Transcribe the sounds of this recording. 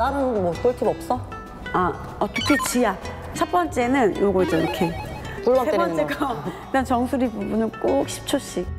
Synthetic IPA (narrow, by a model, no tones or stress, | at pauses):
namɯɡotoɭtʰibʌp̚s͈ʌ | a | ʌt͈ʌkʰet͡ɕia | t͡ɕʰʌp͈ʌnt͡ɕ͈e̞nɯnjoɡod͡ʑʌiɾʌkʰe | puɭaseepʌnt͡ɕ͈eɡaitant͡ɕʌŋsʰuɾibubunɯnk͈ok̚ɕʰi̥p̚t͡ɕʰoɕ͈i